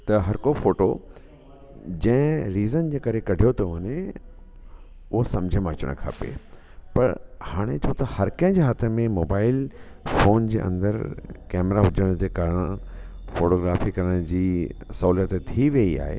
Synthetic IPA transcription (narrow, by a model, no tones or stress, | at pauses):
t̪ɐɦɐɾkofoːʈo | d͡ʑɐ̃ɦɪ̃ɾiːzənd͡ʑeːkɐɾekɐɖʱijot̪ʰoɐne | ʊɦosɐmd͡ʑʱəmãɐt͡ɕə̰ɽ̰̃kʰa̰ːpḛ | pɐ̰ɾhaːɽ̃et͡ɕũt̪ɐhɐɾkɐ̃ɦɪ̃d͡ʑeɦaːt̪ʰemẽmoːbaːɪl | foːnd͡ʑeːʔɐ̰̃nd̪əɾkɛːmɾaɦʊd͡ʑəɽ̃d͡ʑeːkaːɾəɽ̃ | foːʈoːɡɾaːfikɐɾəɽ̃d͡ʑiːsɐɦuːlijət̪et̪ʰiʋeia̰ːɦḛ